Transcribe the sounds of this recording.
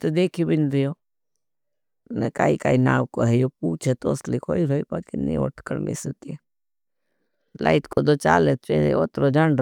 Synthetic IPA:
t̪ed̪eːkʰibinɾijo | neka̰ːikaːinaːwkoɦɛjop̚uːt͡ʃʰet̪oːslikoːiɾoːipakinḭ̃o̰ʈʰkəɾmḛsət̪ie | la̰ɪt̪kod̪ot͡ʃa̰ːlet̪t͡ʃeḛot̪ɾod͡ʒan

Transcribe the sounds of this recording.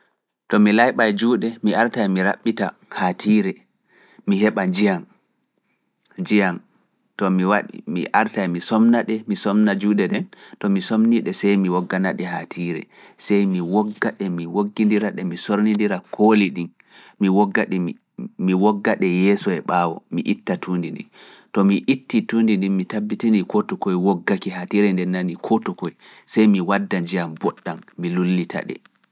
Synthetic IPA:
tɔmilajɓajd͡ʒuːɗɛmiaɾtajmiɾaɓːita̰ | hatʰiːɾɛ | miɦɛɓad͡ʒijan | d͡ʒijan | tɔmiwaḭmiʔaɾtajmisɔmnaɗɛmisɔmnad͡ʒuːɗɛɗɛntɔmisomniɗɛsɛjmiwɔɡːanaɗɛhatʰiɾɛ̰sɛjmiwɔɡːaɗɛmiwoɡːindiɾaɗɛmisoɾnindiɾakʰoliɗin | miwɔɡːaɗɛ | miwɔɡːaɗɛjɛːsɔɛɓawɔ̰miʔitːatʰundindḭn | tɔmiʔitːitundindinmitabːitinikɔtɔkɔjwoɡːakiɦatiɾɛndɛnːanikʰɔtɔkɔj | sɛjmiwadːaɲd͡ʒijambɔɗːanmilulːitʰa̰ɗɛ̰

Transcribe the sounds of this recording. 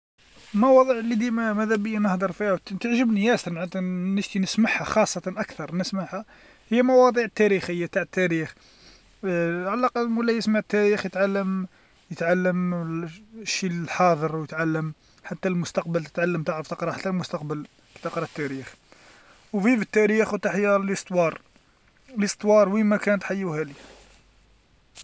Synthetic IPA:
mɑwɑd̪ˤiʕəlːid̪imæmæd̪æbəjːænəhd̪əɾˤfihwt̪əʕʒəbnjæst̪nʕət̪nəʃt̪inəsmaħhæxɑsˤːɑt̪ɑnʔækθɑɾˤnəsmaʕhæ | həjːæmɑwɑd̪ˤiʕət̪ːæɾixəjːat̪aʕət̪ːæɾix | ʕalæqəd̪mwəlːæjəsmaʕt̪ːæɾixjət̪ʕalːəm | jət̪ʕalːəm | ʃːilħɑd̪ˤəɾˤwjət̪ʕalːəm | ħat̪ːælmʊst̪ɑqbəlt̪ə̥t̪ʕalːəmt̪əʕɾəft̪əqɾˤɑħat̪ːælmʊst̪ɑqbəl | ki̥t̪əqɾˤɑt̪ːæɾix | wvivət̪ːæɾixwt̪aħəjæləst̪ˤwɑɾˤ | ləst̪ˤwɑɾˤwimækænət̪ħajːuhæli

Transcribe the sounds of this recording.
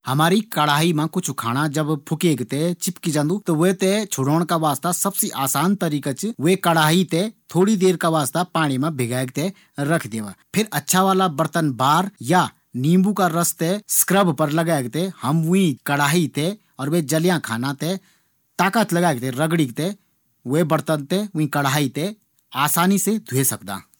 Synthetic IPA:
hɐmaːɾikɐɽaːɦimãkʊt͡ʃʰkʰaːɽ̃ad͡ʒɐbpʰʊkeːɡt̪et͡ʃɪpkid͡ʒə̃nd̪ut̪oʋet̪et͡ʃʰʊɽoːɽ̃kaʋaːst̪asɐbseʔaːsaːnt̪əɾiːkat͡ʃʋekɐɽaːɦit̪et̪ʰoːɽid̪eːɾkaʋaːst̪apaːɽ̃imẽbʱɪɡaːeɡ̚t̪e | ɾɐkʰd̪eːʋa̰ːpʰɪɾɐtːʃʰaʋaːlabəɾt̪ənbaːɾja | nĩːmbukaɾəst̪eskɾəbʱpəɾləɡaːeɡt̪ehɐmʋʊĩkɐɽ̤aːɦit̪ʰe | ɔːɾʋed͡ʒəljãkʰaːnat̪e | t̪aːkat͡ʃləɡaːeɡ̚t̪ʰeɾəɡɽikt̪e | webəɾt̪ənt̪ewĩkəɽaːit̪e | aːsaːnised̪ʱuesɐkd̪a̰ː

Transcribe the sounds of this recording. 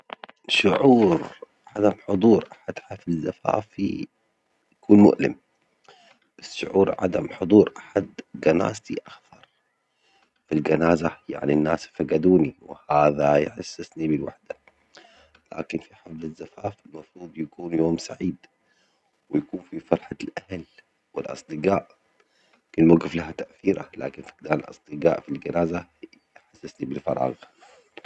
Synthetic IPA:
ʃʊʕuːɾ | ʕad̪amħʊd̪ˤuːɾʔaħad̪hafzːafa̰ːfḭ | jakuːnmʊ̰ʔlɪ̰m | b̥asʃʊ̰ʕuːɾʕa̰d̪amħʊd̪ˤuːɾʔaħad̪ɡana̰ːzt̪iʔaxθɑɾˤ | filɡanaːzaja̰ʕninːaːsfaɡad̪uːniwɪhaːðajħa̰sːɪsnibɪlwa̰ħd̪a | la̰ːkɪnfiħablazːafaːfɪlmɑfɾˤuːd̪ˤjakuːnjoːmsaʕiːd̪ | wɪjakuːnfifɑɾˤħalʔahal | wɪlʔɑ̰sˤd̪ɨɡaːʔ | kɪlmaɡɪflaɦat̪aʔθiːɾala̰ːkɪnfi̥ɡd̪aːnalʔɑ̰sˤd̪̥ɨɡa̰ːʔfilɡanaːza | jħasːɪsnibɪlfɑ̰ɾˤɑ̰ːɣ

